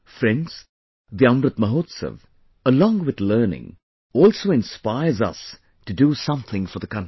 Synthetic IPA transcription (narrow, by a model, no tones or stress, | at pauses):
fɾɛ̃ndz̥ | ðiʌ̃mɾɨt̪̚məɦoːt̪sə̰v | əlɔ̃ːŋwɪðlɜːnɪ̰̃ŋ | ɔːlˠsoʊɪ̃nspaɪəzʌ̰s | tɨdusʌ̃mθɪ̃ŋfəðəkʰʌ̃n